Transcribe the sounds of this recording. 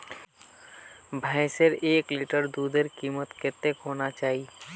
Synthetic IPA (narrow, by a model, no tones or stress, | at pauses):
bʱaɪseɾeːkliʈəɾd̪uːd̪əɾkiːmət̪kɪt̪ekɦoːnat͡ʃaːɦi